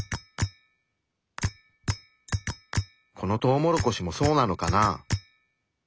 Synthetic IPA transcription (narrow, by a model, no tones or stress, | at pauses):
kʰo̞no̞t̪o̞ːmo̞ɾoko̞ɕimo̞so̞ːnano̞kana